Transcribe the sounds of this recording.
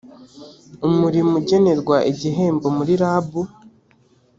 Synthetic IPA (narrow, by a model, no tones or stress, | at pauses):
umuɾimuɟe̞ne̞ɾɡwaʔiɟiɦe̞ːmbo̞muɾiɾaːbu